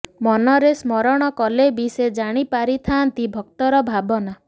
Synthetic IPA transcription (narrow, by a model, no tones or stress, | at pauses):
mɔnɔɾesmɔɾɔɽ̃ɔkɔlebised͡ʒaɽ̃ipaɾit̪ʰant̪ibʱɔk̚t̪ɔɾɔbʱabɔna